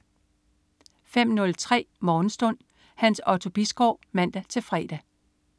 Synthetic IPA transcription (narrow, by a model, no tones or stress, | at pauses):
fem̰nɔ̽lt͡sʰʁɛ̰ːmɒːn̩sd̥ɔ̽n̰ | hænsɒ̽t͡sʰo̝b̥isɡ̥ɒ̰ʊ̰mæn̰d̥æt͡sʰe̝lfʁɛ̰ːd̥æ